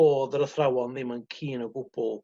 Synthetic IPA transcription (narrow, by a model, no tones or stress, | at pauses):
oːðəɾəθrawɔnðɪmankʰiːnəɡʊb̥ʊlˠ